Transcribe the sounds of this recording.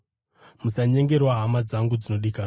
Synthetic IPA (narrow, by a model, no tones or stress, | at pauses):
musaɲe̞ŋɡe̞rwaɦamad͡zaŋɡud͡zino̞ɗiːka